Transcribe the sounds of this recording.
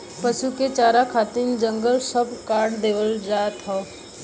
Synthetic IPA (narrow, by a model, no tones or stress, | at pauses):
pəʃuket͡ʃaːɾakʰaːt̪ind͡ʒə̃ŋɡəlsəbkaːɽd̪eːʋəld͡ʒaːt̪ʰaː